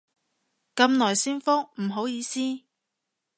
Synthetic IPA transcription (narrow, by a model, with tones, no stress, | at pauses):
kɐ˧mnɔː˨˩jsiː˥nfʊ˥ŋm̩˨˩ɦo˨˥wjiː˨˧siː˥